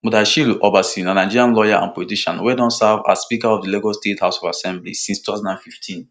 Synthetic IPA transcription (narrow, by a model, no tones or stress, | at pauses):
mudaʃiluʔɔbasĩnãnaɪd͡ʒiɾijãnlɔjaʔã̰npɔlitiʃã̰nwɛdɔ̃nsava̰spikaɔvdiloɡɔstethaʊsɔvasɛ̃mblḭsĩnstutazãndãnfiftʰĩn